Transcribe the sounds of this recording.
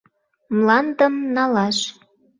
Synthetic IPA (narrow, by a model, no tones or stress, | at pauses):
mlɑnd̪əmnɑlɑʃ